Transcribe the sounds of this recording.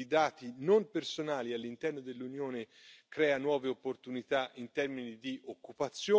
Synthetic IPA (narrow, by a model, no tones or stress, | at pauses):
id̪aːt̪inompersonaːlialːint̪ɛrnod̪elːunjoːnekɾɛːanwɔːveopːort̪unit̪aʔint̪ɛrminid̪iʔokːupat̪sːjoː